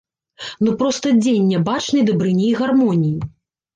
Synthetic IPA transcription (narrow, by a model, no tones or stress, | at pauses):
nupɾɔst̪ɐd͡zʲenʲːɛbat͡ʂnɨjd̪ɐbɾɨnʲiːɣarmɔnʲiji